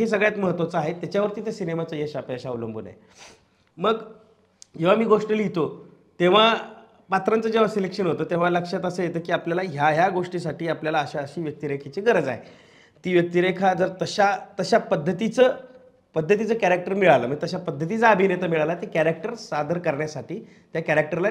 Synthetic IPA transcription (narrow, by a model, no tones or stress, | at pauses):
ɦes̬əɡɭjat̪məɦət̪ʋat͡səaɦet̪jat͡ɕjaʋəɾt̪iːt̪esinemat͡səːjeɕapəəɕauləmbʱṵna̰ḛ | məɡ | d͡ʑeʋ̤amiːɡoʂʈəljit̪o | t̪eʋ̤a | pat̪ɾant͡səːd͡ʑeʋ̤asilekʂənɦot̪ət̪eʋ̤aləkʂat̪əsəːjet̪əːkiːapljalaɦjaɦjaɡoʂʈiːsaʈiːapljalaəɕaəɕiːʋjək̚t̪iɾekʰet͡ɕiɡəɾəd͡za̰ɦḛ | t̪iːʋjək̚t̪iɾekʰad͡zəɾt̪əɕat̪əɕapəd̪ʱːət̪it͡səː | pəd̪ʱːət̪̬it͡səːkæɾak̚ʈəɾmiɭaləːməɡt̪əɕapəd̪ʱːət̪̬it͡saəbʱinet̪əmiɭalat̪ekæɾak̚ʈəɾsad̪əɾkəɾɳjasaʈiː | t̪jakæɾak̚ʈəɾla